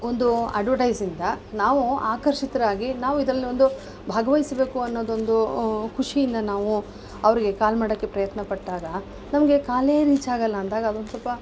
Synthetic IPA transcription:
o̞nd̪uɐ̰ɖʋɐʈɐjsind̪ɐnaːʋuaːkɐɾʂit̪ɐɾɐaːɡinaːʋuid̪ɾɐlːio̞nd̪u | bʱaːɡɐʋɐjisbe̞ːkuɐnːo̞ːd̪o̞nd̪ukʰuʂijind̪ɐnaːʋu | ɐʋɐɾiɡe̞kaːlmaːɽɐkːe̞pɾɐjɐt̪nɐpɐʈːaːɡɐ | nɐmɐɡe̞kaːle̞ɾiːt͡ʃaːɡɐlːɐːnd̪aːɡɐːd̪ond̪sɐlpːɐ

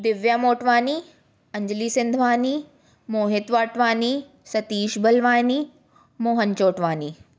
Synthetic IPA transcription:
d̪ɪʋjamoːʈʋaːni | ɐ̃ɲd͡ʒliːsɪnd̪ʱʋaːni | moːɦɪt̪ʋaːʈʋaːni | sɐt̪iːʃbɐlʋaːni | moːɦənt͡ʃoːʈʋaːniː

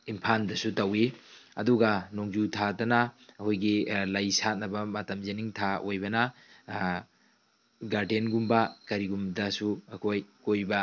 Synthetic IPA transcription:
impʰandɐsutɐwiɐduɡɐnoŋd͡ʒutʰadɐnɐːkʰojɡilɐjsat̚nɐbɐmɐtɐmzeniŋtʰaʔojbɐnɐ | ɡaɾdenɡumbɐkɐɾiɡumdɐsuɐkʰojkojbɐ

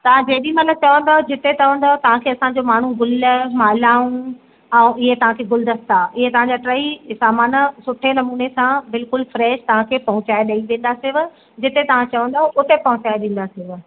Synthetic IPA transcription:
t̪ɐʋ̤ãd͡ʑeːɗimɐt̪ləb̚t͡ɕɐʋə̃nd̪aːɦod͡ʑɪt̪et̪ɐʋə̃nd̪aɦot̪ɐʋ̤ãkʰeːɐsãɲ̆d͡ʑomaːɳ̤uɡʊlmaːlaːũ | ɛ̃ːʔɪɦet̪ɐʋ̤ãkʰeːɡʊld̪əst̪aʔɪɦet̪ɐʋ̤ãɲd͡ʑaːʈɾaːisaːmaːnəsʊʈʰenɐmuːnesãbɪlkʊlfɾɛːʃt̪ɐʋ̤ãkʰeːpɐɦʊ̃t͡ɕaːeɗɐiʋẽːn̆d̪asɪʋʊ | d͡ʑɪt̪et̪ɐʋ̤ãt͡ɕɐʋə̃nd̪aːɦoʔʊt̪epɐɦʊ̃t͡ɕaːeɗẽːn̆d̪asɪʋ

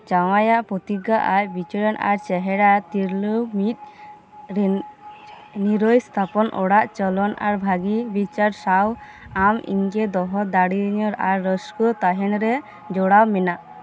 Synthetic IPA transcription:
t͡ʃawajaʔpɾɔt̪iɡaʔajbit͡ʃɔɾɔnʔa̰ɾt͡ʃɛɦɛɽat̪iɾləmit̪̚ | niɾɔjst̪ʰapɔnʔɔɽaʔt͡ʃɔlɔnaɾbʱaɡibit͡ʃaɾsaw | amḭŋkɛd̪ɔɦɔd̪aɽiɲɔɾaɾːɔskɔt̪aɦɛnɾɛ | d͡ʒɔɽawmɛnaʔ

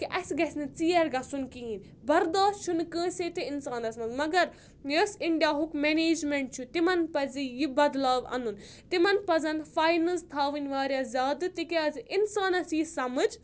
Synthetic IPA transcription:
kiʔɐsʲɡɐsʲnɨt͡siːɐɾɡɐsunkiɦĩn | bɐɾd̪aːʃt͡ʃʰunkə̃ːsʲeːt̪iinsaːnɐsmɐzmɐɡɐɾ | jɐsiɳɖijaːɦukmeneːd͡ʒmeɳʈ̚t͡ʃʰut̪imɐnpɐzijibɐd̪laːʋɐ̰nun | t̪imɐnpɐzɐnfaːjnɐlst̪ʰaːʋɨnʲʋaːɾʲjaːzʲaːd̪ɨt̪ikeaziinsaːnɐsjisɐmɐd͡ʒ

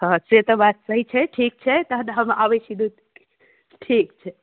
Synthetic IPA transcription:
ɦə̃set̪əbat̪̚səɦit͡ʃʰɛʈʰik̚t͡ʃʰɛt̪əɦnɦəmabəsid̪ut̪ | ʈʰik̚t͡ʃʰɛ

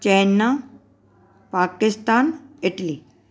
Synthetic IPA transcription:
t͡ʃejnːa | paːkɪst̪aːnɪʈli

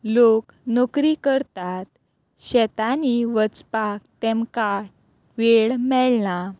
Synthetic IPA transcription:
lok | nokɾikəɾt̪at̪̚ | ɕɛt̪aniʋət͡spakt̪ɛmkaʈ̚ | ʋeɭmɛɭna

